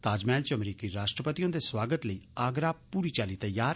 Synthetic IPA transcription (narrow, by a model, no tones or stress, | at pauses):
t̪aːd͡ʒmɛːlt͡ʃɐmɾiːkiɾaːʃʈɾəpət̪ijõd̪eswaːɡət̪ləiːaːɡɾaːpuːɾit͡ʃaːlit̪ɐjaːɾ